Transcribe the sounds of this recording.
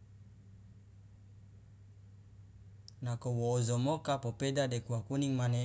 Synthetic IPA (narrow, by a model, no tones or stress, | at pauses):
nakowoːzomokapopedadekuakuniŋmane